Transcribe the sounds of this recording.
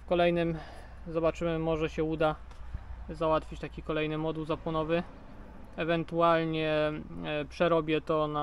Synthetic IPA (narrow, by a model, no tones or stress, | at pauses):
fkɔlɛjnɘm | zɔbat͡ʂɘmɘmɔʐɛɕɛud̪a | zawat̪fʲit͡ɕt̪akʲikɔlɛjnɘmɔd̪uwzapɔnɔvɘ | ɛvɛnt̪ualɲɛ | pʂɛɾɔbʲjɛt̪ɔna